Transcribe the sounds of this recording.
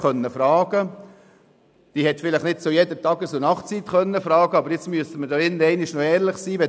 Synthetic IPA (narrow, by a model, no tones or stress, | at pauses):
χœnːəfɾɑːɡ̥ə | d̥iːhɛt̪fɪlɪχnɪtt͡sojɛdətɑɡəsʊnɑχt͡sit̪kœnːəfɾɑːɡəɑbəɾjɪt͡smyəstəmədoɪnəɛɪnɪʃnɔɛːɾlɪχsiːʋɛ